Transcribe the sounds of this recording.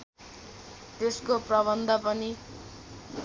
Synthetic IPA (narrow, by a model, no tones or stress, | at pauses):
t̪eskoprʌβʌnd̪ʱʌpʌni